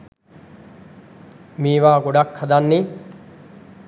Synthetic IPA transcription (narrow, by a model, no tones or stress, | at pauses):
miːʋaːɡoɖɐkʰːɐd̪anːi